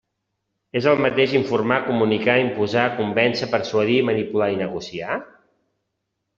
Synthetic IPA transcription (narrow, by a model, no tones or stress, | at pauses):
ezəlˠmət̪eʃiɱfurmakumunikaimpuzaːkumbɛnsəpəɾswəðimənipulainəɣusia